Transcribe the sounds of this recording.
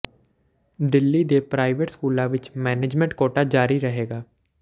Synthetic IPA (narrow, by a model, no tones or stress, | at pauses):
d̪ɪlːiːd̪eːpɾaːɪʋeʈskuːlãːʋɪt͡ʃmɛːneːd͡ʒmɛ̃ɳʈkoːʈaːd͡ʒaːɾiːɾəɦeːɡaː